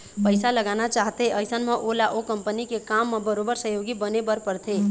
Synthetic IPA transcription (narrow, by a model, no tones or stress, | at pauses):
pəɪsaləɡaːnat͡ʃaːɦt̪eʔəɪsənmẽʔolaʔokə̃mpənikekaːmːẽbəɾoːbəɾsəɦjoːɡibənebəɾpəɾt̪ʰeː